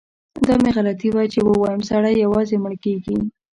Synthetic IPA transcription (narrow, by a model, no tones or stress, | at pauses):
d̪ɑmeɣalat̪iwat͡ʃebəwɑjəmsaɽajːawɑzeməɳkeɡi